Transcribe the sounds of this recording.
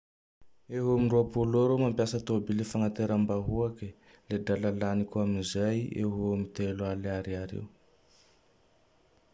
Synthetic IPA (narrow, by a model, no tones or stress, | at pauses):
eɦoaminruapoloɾomampjasət̪obilefaŋat̪eɾambaɦuakə | led̪alalanikʲuaminzajḛɦoamit̪elualaɾiaɾḛw